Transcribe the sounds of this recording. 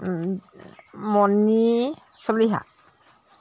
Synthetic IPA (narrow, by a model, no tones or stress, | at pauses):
mɔnisɔbliɦa̰